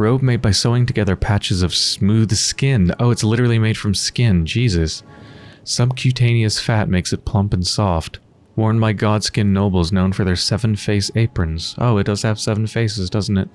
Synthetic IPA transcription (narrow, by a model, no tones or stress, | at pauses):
ɹoʊb̚meɪd̚baɪsoʊɪ̃ŋtʰɨɡɛðə˞pʰæt͡ʃɨzʌv̥smʉð̥skɪ̃no̰ʊɨtslɪɾə˞l̩ˠimeɪd̥fɹʌ̃mskɪ̃nd͡ʒizɨsː | ʌ̃mkʰj̥ʉtʰẽɪ̃niɨsfæt̚meɪksɨt̚pʰl̥ʌ̃mpn̩sɔft | wɔɹnmaɪɡɑd̥skɪ̃nːoʊbl̩ˠznõʊ̃nfə˞ðə˞sɛvɨ̃nfeɪseɪpɹɨ̃nz̥ʔo̰ʊɨt̚d̥ʌz̥ɨv̥sɛvn̩feɪsɨzdʌzn̩tɨt̚